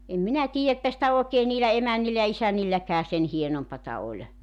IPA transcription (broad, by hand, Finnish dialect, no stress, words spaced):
em minæ tiːjæ etːæ sĭtæ oˑekeː niːlæ emænːilːæ jɑ isænilːækæː sen hienompɑtɑ olʲ